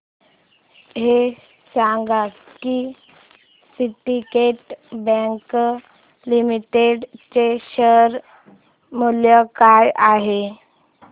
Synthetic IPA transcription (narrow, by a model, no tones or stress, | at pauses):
ɦe | sãŋɡa | ki | siʈikeʈbɛ̃ŋk | limiʈeɖt͡ɕeɕəɾ | muljəkajaɦe